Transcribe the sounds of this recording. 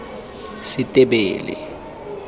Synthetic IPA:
sitʼɛɓɛːlɛ̰

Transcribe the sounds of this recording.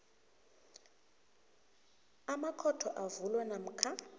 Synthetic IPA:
amakʰɔtʰɔʔavulwanam̩kʰa

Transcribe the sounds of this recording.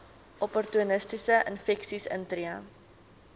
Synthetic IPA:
ʔɔpɔrtuənəstisəʔənfɛksisə̰ntriɐ

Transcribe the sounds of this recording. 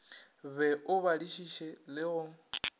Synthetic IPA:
βɛʔʊβaliʃiʃɛlɪɣʊ

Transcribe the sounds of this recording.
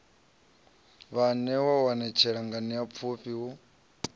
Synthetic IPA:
βanɛwawanɛt͡ʃʰɛɺaŋɡaniap̪fʰuɸiwu

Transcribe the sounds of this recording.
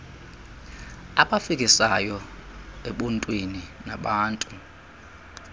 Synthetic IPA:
aɓafik̬ʼisajɔeɓuntʼwininaɓaːntʼu

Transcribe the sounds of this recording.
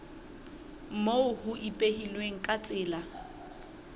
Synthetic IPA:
m̩moʊhʊʔipʼehilweŋ̩kʼat͡sʼɪːla

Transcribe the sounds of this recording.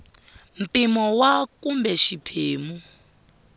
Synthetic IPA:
m̩pimɔwakumbɛʃipʰeːmu

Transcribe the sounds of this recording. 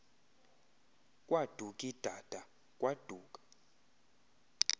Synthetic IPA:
kʼwad̥ʱukʼid̥ʱad̥ʱa | kʼwad̥ʱuːkʼḁ

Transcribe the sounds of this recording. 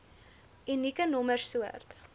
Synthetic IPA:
inikənɔmərsuə̰rt̪

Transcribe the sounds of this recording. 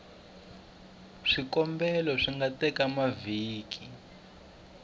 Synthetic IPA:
ʂikɔmbɛlɔʂiŋɡatɛkamaviːki

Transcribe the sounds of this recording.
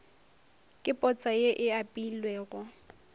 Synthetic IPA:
kʼɪpʼɔt͡sʼajeʔɪapʼilwɛːɣʊ

